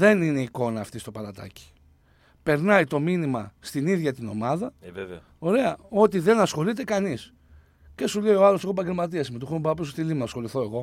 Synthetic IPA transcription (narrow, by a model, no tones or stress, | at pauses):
ðe̞nine̞iko̞nɐːft̪ist̪o̞pɐlɐt̪ɐ̰ci̥ | pe̞ɾnɐit̪o̞minimɐst̪iniðʝɐt̪ino̞̰mɐðɐ | o̞ɾe̞ɐo̞t̪iðe̞nɐsxo̞lit̪e̞kɐnis | ce̞suleio̞ɐloseɣop̬ɐɟe̞lmɐt̪̬iɐsmet̪uxumpɐposost̪ilimenɐsxo̞liθo̞e̞ɣo̞